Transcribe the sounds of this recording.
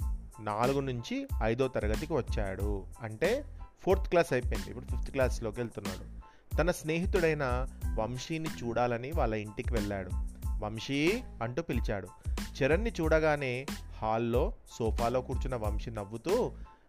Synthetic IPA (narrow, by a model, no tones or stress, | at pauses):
naːluɡunuɲt͡ʃiɐjd̪oːt̪ɐɾɐɡɐt̪ikiʋɐt͡ʃːaːɽuɐɳʈe̞ːpʰoːɾt̪ʰklaːsɐjpɐjnd̪ḭpːuɽupʰipʰt̪klaːslo̞ːkielt̪unːa̰ːɽu | t̪ɐnɐsne̞ːɦit̪uɽɐjnɐʋɐmʂiːnit͡ʃuːɽaːlɐniʋaːɭːɐiɳʈikiʋɛɭːaːɽuʋɐmʂiɐɳʈuːpilit͡ʃaːɽut͡ʃiɾɐnːit͡ʃuːɽɐɡaːne̞ːhaːlːo̞ːsɔːpʰaːlo̞ːkuːɾt͡ʃunɐʋɐmʂinɐʋːut̪uː